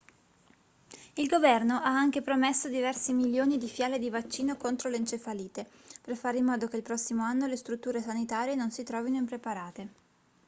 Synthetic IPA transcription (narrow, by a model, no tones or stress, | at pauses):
ilɡovɛrnoʔaaŋk̟epɾomesːod̪ivɛrsimiljoːnid̪ifjaːled̪ivat͡ʃːiːnokont̪ɾolent͡ʃefaliːt̪e | perfaːɾeimːɔːd̪ok̟elpɾɔsːimoanːolest̪ɾut̪ːuːɾesanit̪aːɾjenonsit̪ɾɔːvinoimpɾepaɾaːt̪e